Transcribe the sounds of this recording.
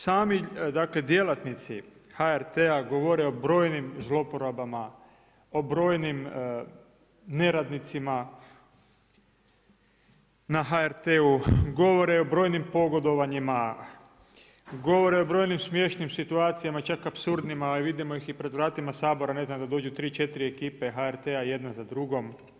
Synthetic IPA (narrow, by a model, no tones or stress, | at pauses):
saːmid̪akle̞d̪je̞lat̪nit̪sihaeɾt̪eaɡoʋo̞ɾeo̞bɾo̞ːjnimzlˠo̞po̞ɾabama | obɾo̞ːjnim | ne̞ɾad̪nit̪sima | naɦaeɾt̪euɡo̞ʋo̞ɾeobɾo̞ːjnimpo̞ɡo̞d̪o̞ʋaɲima | ɡo̞ʋo̞ɾeobɾo̞ːjnimsmje̞ʃnimsit̪uaːt̪sijamat͡ʃakapsuɾd̪nimaːliʋid̪imo̞jixipɾed̪ʋɾaːt̪imasaːbo̞ɾane̞znamd̪ad̪o̞ːd͡ʒut̪ɾiːt͡ʃe̞t̪iɾiekiːpe̞ɦaeɾt̪eaje̞d̪nazad̪ɾuɡo̞m